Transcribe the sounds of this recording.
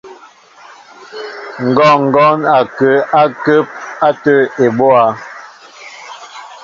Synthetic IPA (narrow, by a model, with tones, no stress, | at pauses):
ŋ̩˨ɡɔ˦˨ŋ̩˨ɡɔ˦na˨kə˨a˦kə˦p̚a˦tə˦e˨bo˦a˨˦